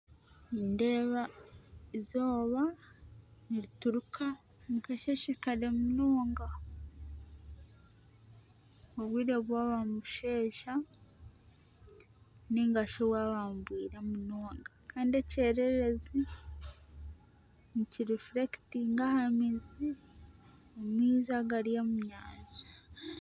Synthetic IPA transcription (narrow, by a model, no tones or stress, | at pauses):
indeːβaizoːβa | niɾituɾuka | mukaʃeʃekaɾemunoːŋɡa | oβwiːɾeβwaːβamuʃeːʃa | niŋɡaʃoβwaːβamubwiːɾamunoːŋɡakaːndeceɾeɾezi | niciɾifɾektiŋɡahamizi | omwiːzaɡaɾijamuɲaːnza